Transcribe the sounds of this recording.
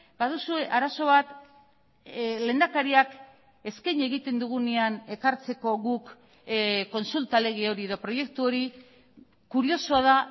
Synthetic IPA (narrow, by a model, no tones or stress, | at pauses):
baðusue̞ʔaɾaso̞β̞at̪ | le̞ːnd̪akaɾiak | e̞skajɲe̞ɣit̪e̞nd̪uɣ̞uneane̞kaɾt͡se̞ko̞ɣuk | ko̞nsult̪ale̞ɣ̞io̞ɾie̞ðo̞pɾo̞je̞k̚t̪uo̞ɾi | kuɾio̞soaða